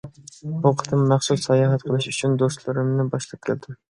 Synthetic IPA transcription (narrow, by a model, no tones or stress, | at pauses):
buqʰə̥t̪ʰɨmːæχsusːɛjɑːɦɛt̪qʰəlˠɨʃyt͡ʃʰynd̪ost̪lˠɨɾɨmnɪbɑʃlˠɑp̚kʲʰæ̰ld̪ɪm